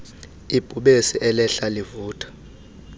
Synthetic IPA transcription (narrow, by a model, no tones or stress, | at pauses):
ib̥ʱuɓesiʔɛlɛɬalivuːtʰʼḁ